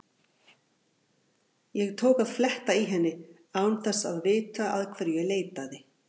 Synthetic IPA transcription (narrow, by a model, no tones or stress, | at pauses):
jɛɣt̪ʰoːwkaðflɛht̪aiɦɛnːɪ | aːwʏmθɛsːa̰ðvɪːt̪aa̰ðkʰv̥ɛɾjɛɣleːjt̪aðɪ